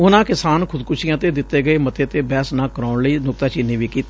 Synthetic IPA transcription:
ʊnãːkɪsaːnkʰʊd̪kʊʃɪjãːt̪eːd̪ɪt̪ːeːɡəeːmət̪eːt̪eːbɛːsnãːkəɾaːʊɳləiːnʊk̚t̪aːt͡ʃɪnːĩːʋiːkiːt̪eː

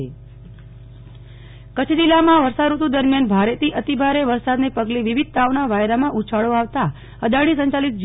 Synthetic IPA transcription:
e | kət͡ʃʰd͡ʒilamãʋəɾsad̪ɾut̪ud̪əɾmjanbʱaɾet̪iʔət̪ibʱaɾeʋəɾsad̪nepəɡleʋiʋid̪̚t̪aʋnaʋajɾamãʔut͡ʃʰaɭoaʋt̪a | əd̪aɭisəɲt͡ʃalit̪̚d͡ʒ

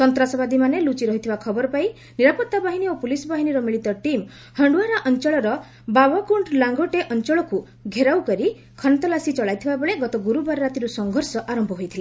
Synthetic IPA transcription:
sɔnt̪ɾasɔbad̪imanelut͡ʃiɾɔɦit̪ʰibakʰɔbɔɾɔpai | niɾapɔt̪ːabaɦiniopulisɔbaɦiniɾɔmiɭit̪ɔʈim | hɔɳɖuaɾaʔɔnt͡ʃɔɭɔɾɔ | babɔkuɳʈlaŋɡɔʈeʔɔnt͡ʃɔɭɔku | ɡʱeɾawkɔɾi | kʰɔnɔt̪ɔlasit͡ʃɔɭajt̪ʰibabɔɭeɡɔt̪ɔɡuɾubaɾɔɾat̪iɾusɔŋɡʱɔɾsɔʔaɾɔmbʱɔɦojt̪ʰile

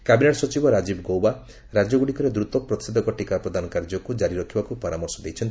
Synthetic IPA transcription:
kabineʈsɔt͡ʃibɔɾad͡ʒibɡowba | ɾad͡ʒɔɡuɽikɔɾed̪ɾut̪ɔpɾɔt̪i̥sed̪ʱɔkɔʈikapɾɔd̪ʱanɔkaɾd͡ʒɔkud͡ʒaɾiɾɔkʰibakupɔɾamɔɾsɔd̪ejt͡ʃʰɔnt̪

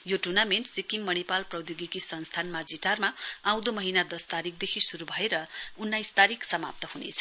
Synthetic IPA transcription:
joʈurnamenʈsikiŋmʌñipalprʌwd̪joɡikisʌnst̪ʰanmad͡ziʈarmaãw̃d̪omʌɦinad̪ʌst̪aɾik̚d̪ekʰisuɾubʱʌeɾʌunːajst̪aɾiksʌma̰p̚t̪ʌhunḛt͡sʰʌ̥

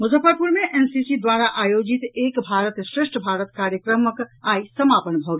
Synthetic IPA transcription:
mʊzʱəfəɾpuɾmẽʔensisid̪waːɾaʔaːjoːd͡ʒit̪eːkbʱaːɾət̪sɾɪʂʈʰəbʱaːɾət̪kaːɾjəkɾəməkaːisəmaːpənbʱəwɡ

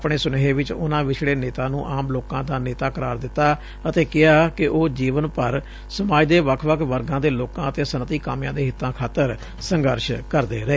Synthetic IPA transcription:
pɳeːsʊnɦeːʋɪt͡ʃʊ̰nãːʋɪt͡ʃʰɽeːneːt̪aːnũːʔaːmloːkãːd̪aːneːt̪aːkəɾaːɾd̪ɪt̪ːaː | ət̪eːkɪaːkɪʔoːd͡ʒiːʋənpəɾ | səmaːd͡ʒd̪eːʋəkʰʋəkʰʋəɾɡãːd̪eːloːkãːət̪eːsənət̪iːkaːmjãːd̪eːɦɪt̪ːãːkʰaːt̪əɾ | səŋɡəɾʃkəɾd̪eːɾəeː

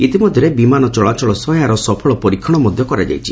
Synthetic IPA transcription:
it̪imɔd̪ʱjɔɾebimanɔt͡ʃɔɭat͡ʃɔɭɔsɔjaɾɔsɔpʰɔɭɔpɔɾikʰːɔɽ̃ɔmɔd̪ʱjɔkɔɾad͡ʒa̰jt͡ʃʰi

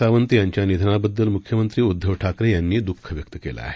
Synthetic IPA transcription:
aʋənt̪ijaɲt͡ɕjanid̪ʱənabəd̪ːəlmukʰjəmənt̪ɾiːud̪ʱːəʋʈʰakɾejanːiːd̪ukʰːəʋjək̚t̪əkela̰a̰ɦe

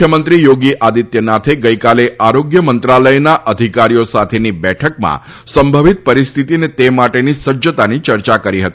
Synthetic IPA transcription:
jəmənt̪ɾijoɡiʔad̪it̪jənat̪ʰeɡəjkaleʔaɾoɡjəmənt̪ɾaləjnaʔəd̪ʱikaɾijosat̪ʰenibɛʈʰəkmã̰ | səmbʱəʋit̪̚pəɾist̪ʰit̪inet̪emaʈenisəd͡ʒət̪anit͡ʃəɾt͡ʃakəɾiɦət̪i

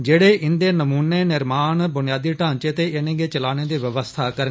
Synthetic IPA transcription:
d͡ʒeːɽeːɪnd̪eːnəmuːneːnɪɾmaːnbʊnɪjaːd̪iːʈãːt͡ʃeːt̪eːʔɪnẽːɡeːt͡ʃəlaːneːd̪iːʋəʋəst̪ʰaːkəɾə

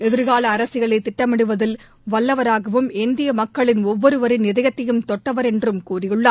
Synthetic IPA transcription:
ɛðɪɾɣaːɭɐːɾɐsɪɣɐɭɐɪt̪ːɪʈːɐmɪɽɯʋɐðɪl | ʋɐɭːɐʋɐɾaːɣɐʋɯmɪnd̪ɪjɐmɐkːɐɭɪnɔʋːɔɾɯʋɐɾɪnɪðɐɣɐt̪ːɐjɯmt̪ɔʈːɐʋɐɾɛndrɯmkuːrɪjɯɭːɐ

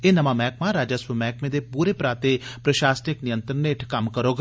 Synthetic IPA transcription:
eːnəʋãːmɛːk̚mãːɾaːd͡ʒasʋəmɛːkmẽːd̪eːpuːɾeːpɾaːt̪epɾəʃaːsnɪknɪjə̃nt̪ɾəneɪʈʰkɐmkəɾoːɡ

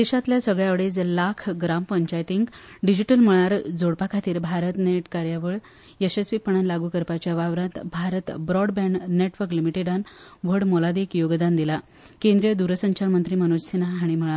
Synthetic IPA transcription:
d̪eɕat̪ljasəɡɭjaʋɽed͡zlakʰɡɾampəɲt͡ɕajt̪iŋkɖid͡ʑiʈəlm̤əɭaɾd͡zoɽpakʰat̪iːɾbʱaɾət̪neʈkaɾjaʋəɭ | esespipəɳanlaɡuːkəɾpat͡ɕjaʋaʋɾat̪bʱaɾət̪bɾɔɽbɛ̃ɳɖneʈʋəɾklimiʈeɖanʋəɽmolad̪ekjoɡd̪and̪ila | kẽnd̪ɾijəd̪uɾəsəɲt͡ɕaɾmənt̪ɾiːmənod͡ʑsinaɦaɽ̃im̤əɭa

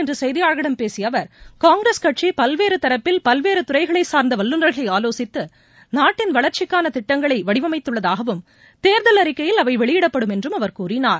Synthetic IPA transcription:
ɛndrɯsɛjðɪjaːɻɣɐɽɐmpeːsɪjɐʋɐɾkaːŋɡɾeskɐʈ̚t͡ʃipɐlʋeːɾɯt̪ɐɾɐpːɪlpɐlʋeːɾɯt̪ʊɾɐɪɣɐɭɐɪsaːɾnd̪ɐʋɐlːɯnrɐɾɣɐɭɐɪaːloːsɪt̪ːɯ | naːʈːɪnʋɐɭɐɾt͡ʃɪkːaːnɐt̪ɪʈːɐŋɡɐɭɐɪʋɐɽɪʋɐmɐɪt̪ːɯɭːɐðaːɣɐʋɯm | t̪eːɾðɐlɐɾɪkːɐjɪlɐʋɐɪʋɛɭɪjɪɽɐpːɐɽɯmɛndrɯmɐʋɐɾkuːrɪnaːɾ

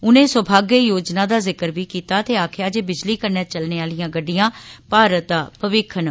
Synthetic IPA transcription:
ʊnẽːsəbʱaːɡejoːd͡ʒnãːd̪aːzɪkəɾʋiːkiːt̪aːt̪eːaːkʰjaːd͡ʒeːbɪd͡ʒliːkəɾnɛːt͡ʃəlneːaːlijãːɡəɖːijãːpaːɾət̪aːpəʋɪkʰən

